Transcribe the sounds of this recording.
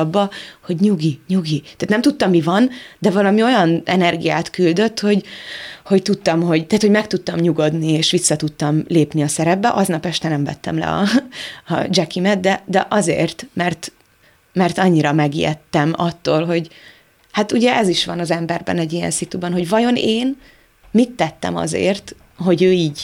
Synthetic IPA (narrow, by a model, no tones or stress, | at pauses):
bːɒho̞ɟɲuɡiɲuɡit̪aːt̪nɛmt̪ut̪ːɒmːivɒnd̪ɛvɒlɒmio̞jɒnɛnɛrɡijaːt̪kyld̪ø̞t̪ːho̞ɟho̞ct̪ut̪ːɒmɦo̞ɟt̪aːt̪ho̞ɟmɛkt̪ut̪ːɒmɲuɡo̞d̪nieːʃʋisːɒt̪ut̪ːɒmleːpniɒsɛɾɛbːɛʔɒznɒpɛʃt̪ɛnɛmvɛ̰t̪ːɛ̰mlɛ̰ɒ̰ɒd͡ʒɛkimɛt̪̚d̪ɛd̪ɛʔɒzḛːrt̪mɛrt̪ | mɛrt̪ɒɲːiɾɒmɛɡḭjɛ̰t̪ːɛmɒt̪ːoːlɦo̞ɟ | haːt̪uɟɛʔɛziʃʋɒnɒzɛmbɛrbɛ̰nɛɟːijɛ̰nsit̪ubɒnɦo̞ɟvɒjo̞neːn | mit̪ːɛt̪ːɛ̰mɒ̰zḛːrt̪ | ɦo̞ɟøːiːɟ